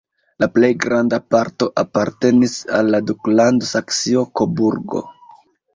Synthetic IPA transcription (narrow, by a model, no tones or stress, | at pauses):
laple̞jɡɾandapaɾto̞ʔapaɾte̞nisalːaduklandosaksiokobuɾɡo̞̰